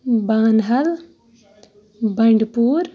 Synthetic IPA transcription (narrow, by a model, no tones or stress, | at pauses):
baːnɦɐl | bɐɳɖpuːɾ